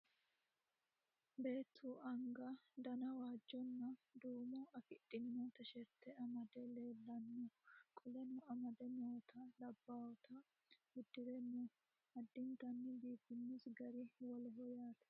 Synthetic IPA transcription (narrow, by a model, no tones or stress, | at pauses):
be̞ːt̪ʰːuʔɐŋɡɐd̪ɐnɐwaːd͡ʒːɔnːɐd̪uːmʊɐfɪɗːɪnːɔt̪ɐʃɛɾt̪ːɛɐmɐd̪ɛle̞ːlːɐnːɔkʼɔlɛnʊɐmɐd̪ɛnoːt̪ʰɐlɐbːaːwɔt̪ʰɐ | bʊd̪ːɪɾɛnːɔ | ɐd̪ːɪnt̪ɐnːɪbiːbɪnːusɡɐɾɪwɔlɛɦɔjaːt̪ɛ̥